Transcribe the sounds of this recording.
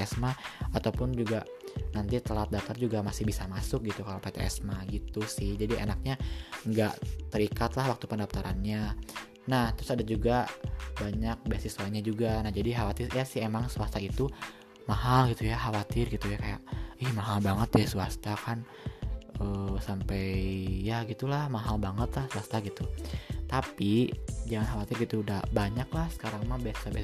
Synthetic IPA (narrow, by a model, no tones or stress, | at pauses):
ɛsmaat̪awpʊnd͡ʒuɡa | nant̪it̪əlat̪̚daft̪ard͡ʒuɡamasɪhbisamasʊk̚ɡit̪ukalawpet̪eʔɛ̰smaɡit̪usɪhd͡ʒadiʔḛnak̚ɲaŋɡa̰ʔt̪əɾikat̪lahwak̚t̪upəndaft̪aɾanɲa | naht̪ɾʊsadad͡ʒuɡabaɲak̚bisisuaɲad͡ʒuɡanahd͡ʒadiɦawat̪ɪrjasɪhemaŋsuast̪ait̪u | maɦalɡit̪ujaɦawat̪ɪrɡit̪ujakaja̰ʔɪhmaɦalbaŋət̪̚jasuast̪akan | əsampɛjjaɡit̪ulahmaɦalbaŋət̪lahsuast̪aɡit̪ut̪apid͡ʒaŋanɦawat̪ɪrɡit̪udabaɲaklahsə̥kaɾaŋmabiasi̥sabi